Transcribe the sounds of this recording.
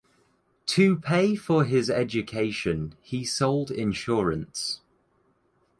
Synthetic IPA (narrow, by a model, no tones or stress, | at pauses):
tʰəpʰeɪfəɪzɛd͡ʒəkʰeɪʃə̃nisoʊlˠdɪ̰̃nʃɔːɹə̃ns